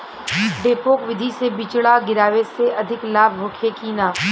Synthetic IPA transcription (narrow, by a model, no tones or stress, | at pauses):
ɖeːpoːkʋɪd̪ʱisebit͡ʃɽaɡɪɾaːʋeseʔɐd̪ʱɪklaːbʱɦoːkʰekiːnaː